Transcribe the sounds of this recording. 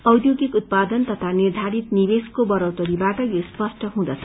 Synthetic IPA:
ʌwd̪joɡikut̪̚pad̪ʌnt̪ʌt̪ʰanird̪ʱaɾit̪nibeskobʌɾʌwt̪ʌɾibakajospʌsʈʰʌɦũd̪ʌt͡sʰʌ̥

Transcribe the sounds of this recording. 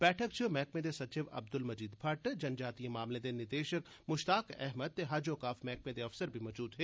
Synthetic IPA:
bɛːʈʰəkt͡ʃʰimɛːk̚mẽd̪esɐt͡ʃɪʋɐ̰b̚d̪ʊlmɐd͡ʒiːd̪pʰɐʈd͡ʒɐnd͡ʒaːt̪ijẽmaːmlẽd̪enɪɾd̪eːʃək | mʊʃt̪aːkɛ̰ɦməd̪̚t̪eɦaːd͡ʒoːkaːfmɛːk̚mẽd̪eɐfsəɾbʱimɔːd͡ʒuːd̪ɦɛː

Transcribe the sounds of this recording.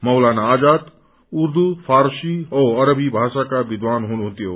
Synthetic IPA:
mʌwlanaːd͡ʒaːt̪ | uɾd̪upʰaːɾʃiɔɐɾəbʱibʱaːʃakabid̪ʋaːnɦunuɦũnt̪ijoː

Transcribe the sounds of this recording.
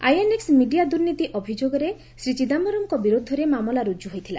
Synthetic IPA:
ajeneksmiɖijad̪uɾnit̪iʔɔbʱid͡ʒoɡɔɾe | sɾit͡ʃid̪amɔɾɔmkɔbiɾud̪ʱːɔɾemamɔlaɾud͡ʒuɦojt̪ʰila

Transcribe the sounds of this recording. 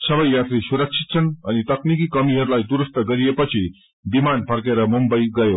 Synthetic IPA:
səʋəjjat̪ɾisuɾəkʂit̪̚sʰənanit̪əknikikəmiɦəɾlajd̪uɾəst̪əɡəɾijepət͡ɕʰi | bimanpʰəɾkeɾəmumbəiɡəjo

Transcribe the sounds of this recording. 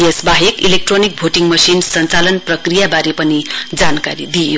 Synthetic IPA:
esbaɦekilek̚ʈronik̚bʱoʈiŋmʌsinsʌnt͡salʌnprʌkrijabaɾepʌnid͡zanka̰ɾid̪io

